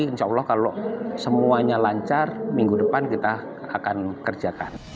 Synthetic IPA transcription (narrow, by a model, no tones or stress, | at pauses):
t͡ʃɔwlɔhkalosəmuaɲalaɲt͡ʃarmiŋɡudəpankit̪a | akankərd͡ʒakan